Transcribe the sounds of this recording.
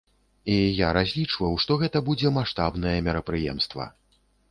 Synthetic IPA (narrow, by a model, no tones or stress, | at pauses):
ijaɾazʲlʲit͡ʂvɐwʂt̪ɔɣɛt̪ɐbud͡zʲɛmaʂt̪abn̪ɐjɛmʲɛɾɐpɾɨjɛ̰mst̪vɐ̰